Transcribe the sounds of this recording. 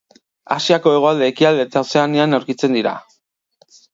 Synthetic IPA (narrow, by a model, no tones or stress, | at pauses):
a̰siako̞e̞ɣo̞ald̪e̞ːkiald̪e̞t̪aose̞aneanawɾkit͡se̞nd̪iɾa̰